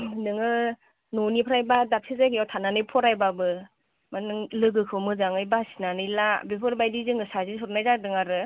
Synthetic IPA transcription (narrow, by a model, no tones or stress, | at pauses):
nɯŋɯ | nɔnipʰɯɾajbadap̚sʰizajkʰijawtʰananɯjpʰɔɾajbabɯ | manɯŋlɯɡɯkʰɯwmɯzaŋɯjbasinanɯjlabepʰɯɾbajdizɯŋɯsazisʰɔɾnajzadɯŋaɾɯ